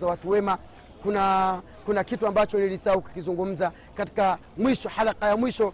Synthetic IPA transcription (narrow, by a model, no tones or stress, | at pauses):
zawatuwɛma | kuna | kunakituambat͡ʃɔlilisauki̥kizuŋɡum̩za | kati̥kamwiʃɔhalaqajamwiʃɔ